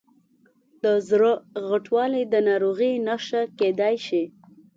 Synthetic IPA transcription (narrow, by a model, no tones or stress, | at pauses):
d̪əzɾəɣəʈwɑlid̪ənɑɾoɣinaʃaked̪ajʃi